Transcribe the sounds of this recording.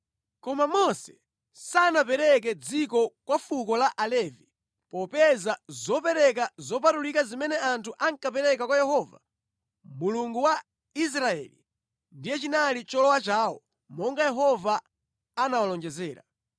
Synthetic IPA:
kɔmamɔsɛ̥ | sanapɛɾɛk̬ɛd͡zikɔkwafukɔlaʔalɛvi | pɔpɛzazɔpɛɾɛk̬azɔp̬atulikazimɛnɛʔantʰuʔaŋkapɛɾɛkakwajɛhɔːva̰ | muluŋɡuwa | is̬ɾaɛ̰lḭ | ndijɛt͡ʃinalit͡ʃɔlɔwat͡ʃaːwɔ̰ | mɔŋɡajɛɦɔvaː | nawalɔnd͡ʒɛzɛːɾa̰

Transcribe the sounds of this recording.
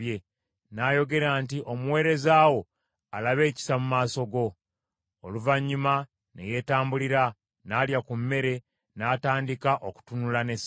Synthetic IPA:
je | naːjo̞ɡe̞ɾaːntiʔo̞muwe̞ːɾe̞zaːwo̞ | alaβe̞ːci̥samumaːso̞ɡo̞ː | luvaɲːuma | nḛje̞ːtaːmbuliɾa | naːljakumːe̞ɾe̞ | naːtaːndikaʔoku̥tunulane̞s

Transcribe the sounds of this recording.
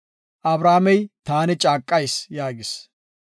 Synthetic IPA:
ʔɐbɾaːmɛjt̪aːnɛt͡ʃʼaːkʼːɐjsjaːɡɪs

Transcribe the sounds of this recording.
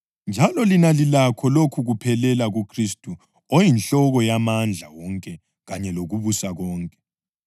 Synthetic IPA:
nd͡ʒʱalɔlinalilakʰɔlokʰuɣupʰɛlɛlaɣukʰristʼu | ojinɬɔɣɔjamand͡ɮʱawɔŋkʼɛ | ɣaɲɛloɣuβusaɣɔːŋkʼɛ̥

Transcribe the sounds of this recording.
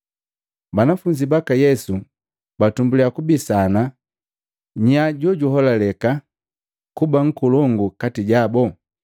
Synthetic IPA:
banafuɲd͡ʒibakajɛsu | batumbuliakubisana | ɲaɟɔɟuɦɔlalɛka | kubaŋ̩kulɔŋɡukatiɟabɔ

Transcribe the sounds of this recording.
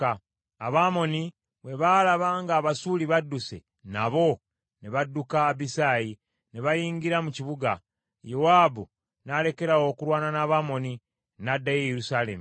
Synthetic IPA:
a | aβaːmo̞ni | βwe̞βalaβaŋɡaːβasuːliβadːuse̞̰ | naβo̞ | neβadːukaːbisaːji | neβajiːŋɡiɾamuciβuɡa | jowaːbu | nale̞ke̞ɾawo̞ːkuɾwaːnanaːβaːmo̞ni | nadːajejeɾusaːle̞̰mu

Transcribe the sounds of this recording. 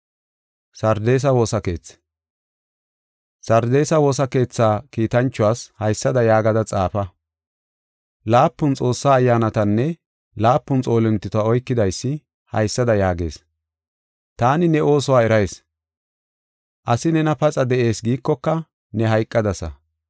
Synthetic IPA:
sɐɾd̪e̞ːs̬ɐwo̞ːsɐke̞ːt͡sː | sɐɾd̪e̞ːsɐwo̞ːsɐke̞ːt͡sːaːkiːt̪ɐnt͡ʃːʊwaːshɐjsːɐd̪ɐjaːɡɐd̪ɐt͡sʼaːfɐ | laːpːʊnt͡sʼo̞ːsːaːjːaːnɐt̪ɐnːɛ | laːpːʊnt͡sʼo̞ːlɛnt̪ːɪt̪aɔjkːɪd̪ɐjsːɪ | hɐ̰jsːɐd̪ɐjaːɡe̞̰ːs | t̪aːnɪnɛʔo̞ːsɔwaːɛɾɐjes | ʔɐsɪnɛnɐpɐt͡sʼɐd̪ɛʔe̞ːsɡiːkːɔkːɐ | nɛɦɐjkʼːɐd̪ɐsɐ̰

